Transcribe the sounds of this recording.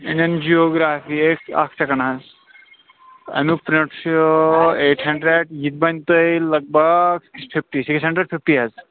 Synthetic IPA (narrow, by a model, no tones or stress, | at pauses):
iɳɐnd͡ʒioɡɾaːfieka̰ksɐkɐnɦaz | ɐ̰nupɾoʈs | eʈʰɦɐɳɖɾeɖjit̪̚bɐnt̪əjlɐɡ̚bəɡsi̥kspʰifʈisiksɦɐ̃ɳɖɾeɖpʰifʈiɦɐz